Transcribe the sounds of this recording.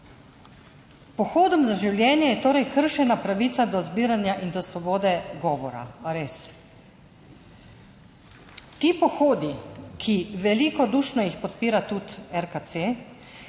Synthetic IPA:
pɔxoːd̪ɔmzaʒiwlʲjɛːnjɛjɛt̪oːɾɛjkəɾʃɛnapɾaʋiːt̪sad̪ɔzbiːɾanjaʔind̪ɔsʋɔboːd̪ɛɡɔːʋɔɾa̰aɾes | t̪iːpɔxoːd̪ikʰiʋɛliːkɔd̪uːʃnɔjixpɔt̪̚piːɾat̪ut̪ɛɾkat̪se

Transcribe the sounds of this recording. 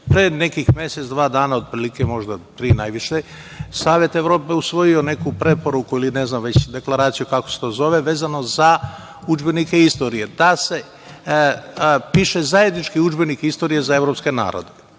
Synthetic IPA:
pɾeːne̞kixmje̞set̪sd̪ʋaːd̪aːnaod̪̚pɾilikemo̞ʒd̪ap̪ɾiːnajʋiʃe | saːʋje̞t̪eʋɾo̞ːpe̞usʋo̞jione̞kupɾe̞po̞ɾukuiline̞znamʋe̞t͡ɕd̪e̞klˠaɾaːt̪sijukako̞set̪o̞ːzo̞ʋe̞ʋe̞ːzano̞za | ud͡ʒbe̞nikeist̪o̞ɾije̞d̪ase̞ | piːʃe̞zajed̪nit͡ʃkiud͡ʒbe̞nikist̪o̞ːɾijezae̞ʋɾo̞pske̞na̰ːɾo̰d̪e̞

